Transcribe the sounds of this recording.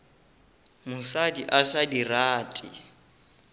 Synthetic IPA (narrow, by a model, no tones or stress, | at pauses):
mʊsadiʔasadiraːtʼɪ̰